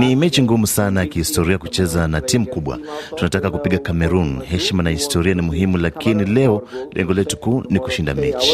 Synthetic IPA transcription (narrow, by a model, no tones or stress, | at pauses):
nimɛt͡ʃiŋɡumusanajakihistɔɾiakut͡ʃɛzanatimukuɓwa̰tunatakakupiɠakamɛɾunhɛʃmanahistɔɾianimuɦimulakinilɛɔlɛ̰ŋɡɔlɛtu̥kuːniku̥ʃinda̰mɛt͡ʃi̥